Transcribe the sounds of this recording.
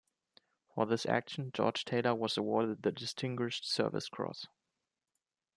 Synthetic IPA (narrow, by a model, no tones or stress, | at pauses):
fə˞ðɪsæ̰kʃn̩d͡ʒɔ̰ɹ̥d͡ʒ̥tʰeɪɾəwʌzəwɔɹɾɨd̪̚ðɨdɨstʰɪ̃ŋɡwɪʃtsɜ̰˞vɪ̰skʰɹ̥ɔ̰s